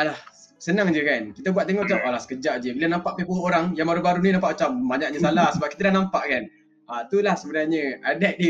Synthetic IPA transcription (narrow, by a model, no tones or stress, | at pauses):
lah | sənaŋd͡ʒəkankit̪abuat̪̚t̪̬eŋɔʔt͡ʃapalasə̥kəd͡ʒaʔd͡ʒəbilanãmpaʔ̚pepuoɾaŋjaŋbaɾubaɾuninampaʔot͡ʃam̚baɲaʔ̚ɲəsalahsəbap̚kit̪adanampaʔkan | at̪ulahsəbənaɲə̃adɛʔ̪̚di